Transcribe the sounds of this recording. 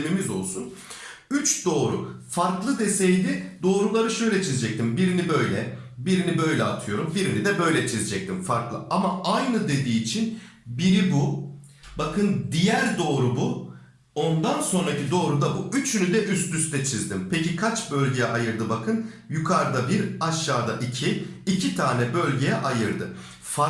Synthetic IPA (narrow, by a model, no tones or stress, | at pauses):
mimizo̞lˠsun | yt͡ʃd̪o̞ːɾṵfaɾklˠɯd̪e̞sejd̪ɪd̪o̞ːɾulˠaɾɯʃø̞jlʲɛt͡ʃʰizid͡ʒɛc̚t̪ʰimbiɾinibø̞jlʲɛbiɾinibø̞jlʲɛat̪ʰɯjo̞ɾumbiɾinid̪ɛbø̞jlʲɛt͡ʃʰizid͡ʒɛc̚t̪ʰimfaɾklˠɯamaajnɯd̪e̞d̪iːt͡ʃʰin | biɾibu | bakʰɯnd̪ijæɾd̪o̞ːɾubu | o̞nd̪anso̞nɾacid̪o̞ːɾud̪abuyt͡ʃʰynyd̪ɛʔyst̪yst̪ʰɛt͡ʃʰizd̪impʰecikʰat͡ʃbølʲɟejɛʔajɯɾd̪ɯbakʰɯn | jukʰaɾd̪abiɾaʃːaːd̪aʔicʰiːcʰit̪ʰaːnɛbø̞lʲɟejɛʔajɯɾd̪ɯ | fa